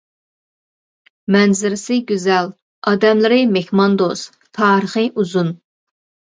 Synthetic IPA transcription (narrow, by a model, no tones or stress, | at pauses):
mɛnzɪɾɪsɪɡʲyzɛl | ɑːd̪ɛmlɪɾɪmexmɑnd̪os | t̪ʰɑːɾəχɨʔuzun